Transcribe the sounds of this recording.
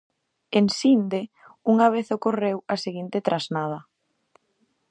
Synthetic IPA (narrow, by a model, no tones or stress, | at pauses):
ensind̪e | uŋaβ̞eθokorewaseɣint̪ɪt̪ɾaznað̞ɐ